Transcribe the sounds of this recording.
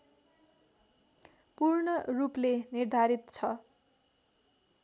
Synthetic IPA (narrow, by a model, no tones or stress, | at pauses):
purɳʌruplenird̪ʱaɾit̪t͡sʰʌ